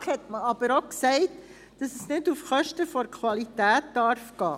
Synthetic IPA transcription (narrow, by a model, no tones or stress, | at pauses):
hɛtməɑb̥əɾoksɛɪt | d̥ɑsəsnɪdufχœʃtəfɔɾkʰwɑlitæːt̚d̥ɑɾfɡ̥ɑː